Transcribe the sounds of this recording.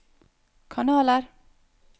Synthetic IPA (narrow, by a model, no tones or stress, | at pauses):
kʰɑnɑːləɾ